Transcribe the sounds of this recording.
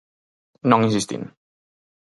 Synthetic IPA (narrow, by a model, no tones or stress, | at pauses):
nɔ̃ŋĩnsist̪ḭn